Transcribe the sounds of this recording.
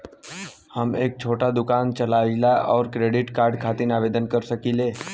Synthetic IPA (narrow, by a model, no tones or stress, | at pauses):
həmeːk̚t͡ʃʰoːʈad̪ʊkaːnt͡ʃəlaːilaʔɔːɾkɾeːɖɪʈkaːɾɖkʰaːt̪inaːʋeːd̪ənkəɾsəkileː